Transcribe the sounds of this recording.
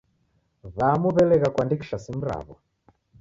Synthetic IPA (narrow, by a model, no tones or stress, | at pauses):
βamuβɛlɛɣakwandiki̥ʃasim̩ɾa̰βɔ